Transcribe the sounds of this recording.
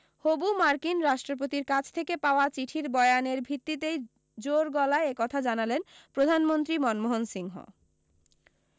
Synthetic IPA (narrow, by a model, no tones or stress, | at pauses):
hobumaɾkinɾaʃʈɾop̬ot̪iɾkat͡ɕʰt̪ʰekepaoat͡ɕiʈʰiɾbɔeaneɾbʱit̪ːit̪ej | d͡ʑoɾɡɔlaeekɔt̪ʰad͡ʑanalenpɾod̪ʱanmont̪ɾimɔnmoɦonsiŋɦo̰